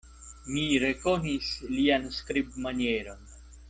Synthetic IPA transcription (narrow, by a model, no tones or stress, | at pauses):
miɾe̞konislianskɾib̚manieɾo̞n